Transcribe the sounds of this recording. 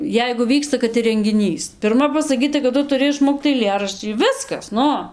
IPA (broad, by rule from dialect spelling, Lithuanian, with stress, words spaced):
ˈjɛɪɡʊ ˈʋʲiːkstɐ kɐt ɪr rʲɛŋʲɡʲɪˈnʲiːs pʲɪrˈmɐ pɐsɐˈkʲiːtɐ kɐt ˈtʊ tʊˈrʲɪ ɪʃˈmoːkt ɐɪˈlʲeːrɐʃʲt͡ʃʲiː ˈʋʲɪskɐs ˈnʊ